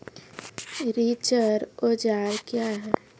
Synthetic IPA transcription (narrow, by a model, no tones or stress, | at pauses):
ɾit͡ʃəɾod͡ʒaːɾkjaɦɛ